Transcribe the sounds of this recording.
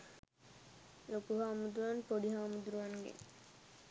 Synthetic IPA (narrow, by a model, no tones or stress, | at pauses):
lokuɦaːmud̪uʋanpoɖiɦaːmud̪uɾuʋaŋɡḛŋ